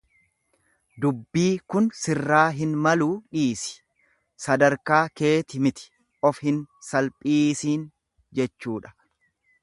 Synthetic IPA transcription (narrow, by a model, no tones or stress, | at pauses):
d̪ʊbːiːkʊnsɪrːaːɦɪnmɐluːᶑiːsɪ̥ | sɐd̪ɐɾkaːke̞ːt̪ɪmɪt̪ɪ̥ | ʔɔfhɪnsɐlpʼiːsiːn | d͡ʒɛt͡ʃːuːᶑɐ̥